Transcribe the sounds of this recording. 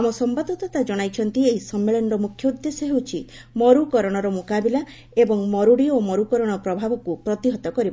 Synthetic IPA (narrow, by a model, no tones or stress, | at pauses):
amɔsɔmbad̪ːɔt̪ɔt̪ad͡ʒɔɽ̃ajt͡ʃʰɔnt̪ieisɔmːeɭɔnɾɔmukʰjɔud̪ːesɔɦewt͡ʃʰi | mɔɾukɔɾɔɽ̃ɔɾɔmokabila | ebɔŋmɔɾuɽiomɔɾukɔɾɔɽ̃ɔpɾɔbʱabɔkupɾɔt̪iɦɔt̪ɔkɔɾiba